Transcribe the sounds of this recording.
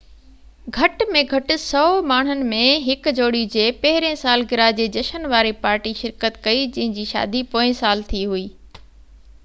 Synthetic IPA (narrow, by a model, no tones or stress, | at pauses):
ɡʱɐʈmẽɡʱɐʈʊ̆sɔːmaːɳ̤̃ʊnɪ̆mẽɦɪkd͡ʑoːɽijud͡ʑeːpɐɦɪɾẽsaːlɡɪɾaːd͡ʑeːd͡ʑɐʃənʋaːɾipaːɾʈiʃɪɾkət̪kɐid͡ʑɐ̃ɦɪ̃ɲd͡ʑiːʃa̰ːd̪ipoːɪ̃saːlt̪ʰiɦuiː